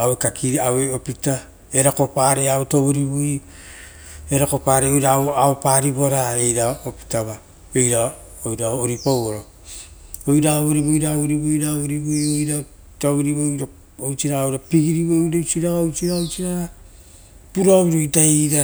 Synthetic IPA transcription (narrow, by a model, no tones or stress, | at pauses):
awekakiaweopita | eɾako̞paɾeaotoβoɾibuj | eɾako̞paːɾeojɾawaopaːɾibo̞ɾae̞jɾaopi̥taβa | ejɾa | ojɾaːɾipowoɾo | ojɾaoβoɾiβojɾaɾibojɾaoβɾibujojɾa | toβɾiβojɾa | owt͡ʃiɾaowɾapiɡiɾiβodowt͡ʃiɾaaowt͡ʃiɾaowt͡ʃiɾa | puɾaoβiɾojtaiɾa